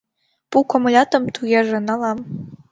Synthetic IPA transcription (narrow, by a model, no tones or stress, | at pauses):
pukomlʲɑt̪ɤ̆mt̪ʰujeʒĕnɑlɑm